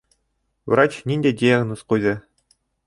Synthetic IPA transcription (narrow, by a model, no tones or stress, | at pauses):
v̆rɑt͡ɕnʲinʲdʲedʲijaɡnosqujzʲɘ